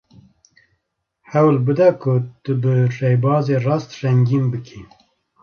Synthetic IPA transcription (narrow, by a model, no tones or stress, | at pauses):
hɛwlbɨd̪ɛkʰʊt̪ɨbɨrɛjbɑːzeːrɑːst̪ʃɛŋɡiːmbɨkʰi